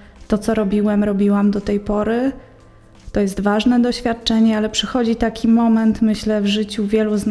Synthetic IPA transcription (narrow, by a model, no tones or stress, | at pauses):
t̪ɔt̪sɔɾɔbʲiwɛmɾɔbʲiwamd̪ɔt̪ɛjpɔɾɘ | t̪ɔjɛst̪vaʐnɛd̪ɔɕfʲjat̪̚t͡ʂɛɲɛalɛpʂɘxɔd͡ʑit̪akʲimɔmɛnt̪mɘɕlɛvʐɘt͡ɕuvʲjɛluzn